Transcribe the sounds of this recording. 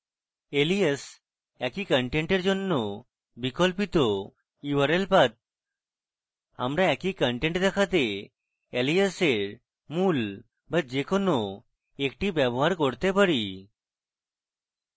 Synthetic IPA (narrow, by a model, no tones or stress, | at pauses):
elies | ɛkikəɳʈeɳʈeɾd͡ʒonːo | bikolpit̪o | iwəɾelpat̪̚ | a̰mɾaɛkikəɳʈeɳʈd̪ɛkʰat̪e | eliaseɾ | mul | bad͡ʒekono | ekʈibɛbɔɦaɾkoɾt̪epaɾi